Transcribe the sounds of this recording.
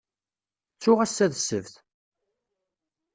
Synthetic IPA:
t͡sːʊʁæsːæðsːəvθ

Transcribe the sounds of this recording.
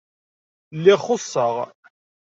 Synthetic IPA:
lːɪχʊsˤːəʁ

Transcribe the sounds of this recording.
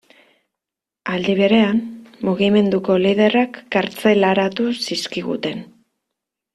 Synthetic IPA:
ald̪iβ̞e̞ɾe̞anmuɣime̞nd̪uko̞liðe̞rakːaɾt͡se̞laɾat̪usiskiɣṵt̪e̞n

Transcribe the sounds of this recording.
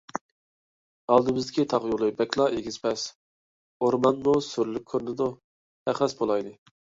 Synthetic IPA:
ɑlˠd̪ɨbɪzd̪ɪkʲʰit̪ʰɑʁjulˠɨbɛkʲlˠɑʔeɡʲiz̥pɛs | oɾmɑnmusyɾlykʲʰːøɾnɪd̪ʊ | ɛχɛsbolˠɑjd̪ɨ

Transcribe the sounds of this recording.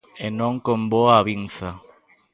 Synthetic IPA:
enõŋkomboaβinθa

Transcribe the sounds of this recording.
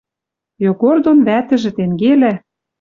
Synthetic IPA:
joɡord̪onβæt̪ɘ̆ʒɘ̆t̪eŋɡelæ

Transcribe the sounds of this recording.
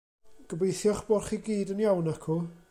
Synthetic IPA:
ɡ̥əbejθjɔχb̥ɔrχiɡiːdənjawnakʰu

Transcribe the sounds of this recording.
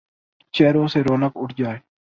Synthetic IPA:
t͡ʃɛːɾoːseɾoːnəkʊʈʰd͡ʒaːeː

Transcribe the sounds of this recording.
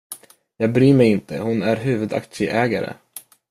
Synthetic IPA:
jɑːɡ̚bɾyːmɛjɪnt̪ʰə̰hʊnæɾɦʉ̟ːvɵd̪a̰kt̪ʂɪʔɛːɡaɾə̰

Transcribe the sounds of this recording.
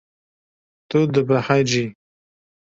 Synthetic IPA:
t̪ud̪əbahad͡ʒi

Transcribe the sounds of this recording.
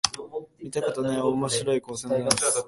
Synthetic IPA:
mʲit̪akat̪anaomo̞ɕiɾo̞iko̞ːsẽnd̪amas

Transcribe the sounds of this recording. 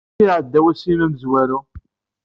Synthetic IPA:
iʕəd̪ːæwæsimæməzwæɾu

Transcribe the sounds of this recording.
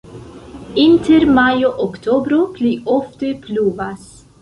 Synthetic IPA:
inteɾmajoʔokt̪ʰobɾopliʔoftepluːvas

